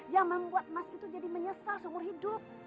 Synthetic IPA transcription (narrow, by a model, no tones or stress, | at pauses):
jaŋməmbuat̪̚masit̪ud͡ʒadiməɲəsasumʊrɦidʊp̚